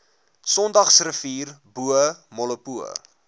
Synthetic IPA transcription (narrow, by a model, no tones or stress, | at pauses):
sɔndɐχsrəfiːrbuəmɔləpuə̰